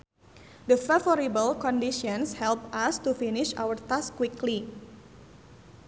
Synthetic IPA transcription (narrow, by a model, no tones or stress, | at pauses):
dəfavɔɾibəlkɔ̃ndiʃɔ̃nshɛlpast̪ufinɪʃa̰wərt̪askːwikli